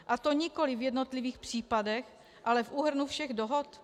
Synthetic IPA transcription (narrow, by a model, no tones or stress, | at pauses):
ʔat̪o̞ɲɪko̞lɪvjɛdno̞t̪liviːxpr̝̥iːpadɛx | ʔalɛfʔuːɦr̩nufʃɛɣdoɦot̪